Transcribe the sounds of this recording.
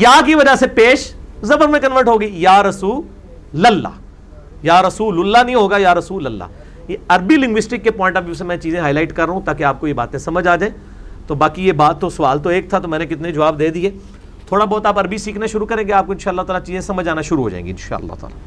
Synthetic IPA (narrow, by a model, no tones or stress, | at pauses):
jaːk̬iʋɐd͡ʒasepeːʃzɐbəɾmẽkɐnʋəɾʈɦoːɡəijaːɾɐsuːl | lɐlːa̰ː | jaːɾɐsuːlʊlːanɐɦĩɦoːɡajaːɾɐsuːləlːa̰ː | jeɐɾbilɪ̃ŋɡʋɪsʈɪkːepɔːɪ̃ɳʈɐbiʊsemɛ̃t͡ʃiːzẽɦaːɪlaːɪʈkɐɾːɐɦũt̪aːkeaːp̚kojeba̰ːt̪ẽsɐməd͡ʒaːd͡ʒaːẽ | t̪obaːkijebaːt̪ːosɐʋaːlt̪oeːk̚t̪ʰat̪omɛ̃ːnek̬ɪt̪ned͡ʒɐʋaːbd̪eːd̪iɦɛː | t̪ʰoːɽabɔːt̪aːpɐɾbisiːkʰnaʃʊɾukɐɾẽːɡeaːp̚koɪ̃nʃaːɐlːaɦot̪aːlat͡ʃiːzẽsɐməd͡ʒaːnaʃʊɾuɦo̰ːd͡ʒã̰ːḛ̃ŋɡiɪ̃nʃa̰ːɐ̰lːa̰ɦt̪a̰ːla̰